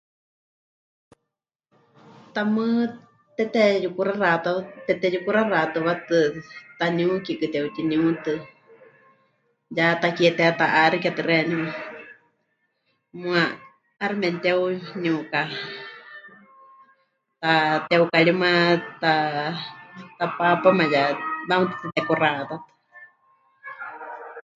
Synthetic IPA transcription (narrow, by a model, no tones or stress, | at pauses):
t̪amɨ | t̪ɛt̪ɛjukuɾarat̪at̪ɛt̪ɛjukuɾarat̪ɨβat̪ɨt̪anĩukikɨt̪ɛut̪inĩut̪ɨ | jat̪akiɛt̪ɛat̪aʔaɾikiat̪ɨrɛniwa | mũaː | ɾimɛnt̪ɛuniuka | t̪at̪ɛukaɺimãt̪a | t̪apapamãjaβamɨt̪ɨ̥t͡sɨt̪ɛkurat̪at̪ɨ̥